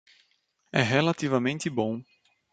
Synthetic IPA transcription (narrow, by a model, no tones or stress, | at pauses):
ɛɦelat̪ivɐmẽnt̪ɪbõw̃